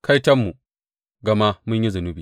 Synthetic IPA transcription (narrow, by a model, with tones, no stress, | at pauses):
ka˦jtɐ˦mːu˨ | ɡɐ˨ma˦mʊ˦ɲji˦zʊ˨nu˦biː˨